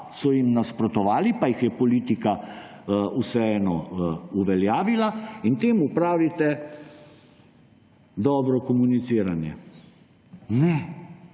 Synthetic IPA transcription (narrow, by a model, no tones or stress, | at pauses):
sɔjimnaspɾɔt̪ɔʋaːlipajixjɛpɔliːt̪ika | usɛɛːnɔuʋɛljaːʋilaint̪eːmupɾaːʋit̪ɛ | d̪ɔːbɾɔkɔmunit̪siːɾanjɛ̰ | nɛ